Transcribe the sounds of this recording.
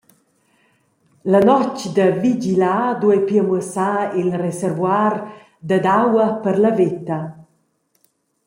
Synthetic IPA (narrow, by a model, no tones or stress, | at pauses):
lanɔt͡ʃd̪əvid͡ʒilad̪uɛjpiəməsailresɛɾvwar | d̪əd̪awɐpəɾlavet̪ɐ